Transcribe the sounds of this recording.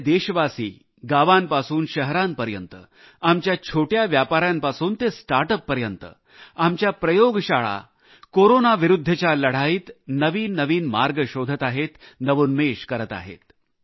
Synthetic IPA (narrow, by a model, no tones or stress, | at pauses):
d̪eɕʋasiː | ɡaʋanpasuːnɕəɦɾanpəɾjənt̪ə̰ | amt͡ɕjat͡ɕʰoʈjaʋjapaɾjampasuːnt̪esʈaɾʈəpːəɾjənt̪ə̰ | amt͡ɕjapɾəjoɡɕaɭa̰ | koɾonaʋiɾud̪ʱːət͡ɕjaləɽ̤aiːt̪nəʋiːnəʋiːnma̰ɾɡəɕod̪ʱət̪aɦet̪nəʋunmeɕkəɾət̪a̰ɦḛt̪